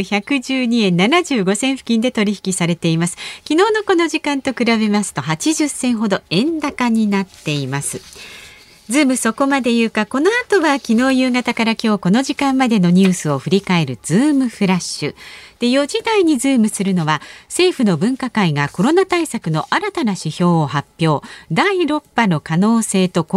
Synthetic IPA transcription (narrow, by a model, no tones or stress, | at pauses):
çakɯ̟ʑɨːɲiẽ̞nːanaʑɨːɡo̞sẽ̞ɰ̃ɸɯ̟̥kʲĩnd̪e̞t̪o̞ɾʲiçi̥kʲisaɾe̞t̪e̞imasɨ̥kʲino̞ːno̞ko̞no̞ʑikãnt̪o̞kɯ̟ɾaβe̞masɨ̥t̪o̞ɦat͡ɕiʑɨsẽ̞ɰ̃ɦo̞d̪o̞ẽ̞nd̪akaɲ̟inat̪ːe̞imasɨ | zɨːmɯ̟so̞ko̞mad̪e̞jɯ̟ːkako̞no̞at̪o̞βakʲino̞ːjɯːɡat̪akaɾakʲo̞ːko̞no̞ʑikãmːad̪e̞no̞ɲ̟ɨːsɨo̞ɸɯ̟ɾʲikae̞ɾɯ̟z̥ɨːmɯ̟ɸɯ̟ɾaɕɨ̰d̪̥ejo̞ʑid̪aiɲ̟izɨːmɯ̟sɨɾɯ̟no̞βase̞ːɸɯ̟no̞bɯ̟̃ŋkakaiɡako̞ɾo̞nat̪aisakɯ̟no̞ʔaɾat̪anaɕiço̞ːhapʲjo̞ːd̪aiɾo̞pːano̞kano̞ːse̞ːt̪o̞k